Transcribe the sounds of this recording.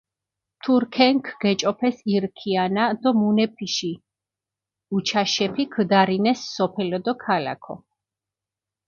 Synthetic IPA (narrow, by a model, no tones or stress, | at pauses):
t̪ʰuɾkʰɛŋkʰɡ̥ɛt͡ʃʼɔpʰɛsiɾkʰianad̪ɔmunɛpʰiʃi | ut͡ʃʰaʃɛpʰikʰd̪aɾinɛsːɔpʰɛlɔd̪ɔkʰala̰kʰɔ̰